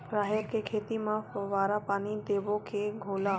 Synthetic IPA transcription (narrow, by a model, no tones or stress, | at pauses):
pɾaːɦjəkekʰeːt̪imãʋaːɾapaːnid̪eːʋokʰeɡʱoːla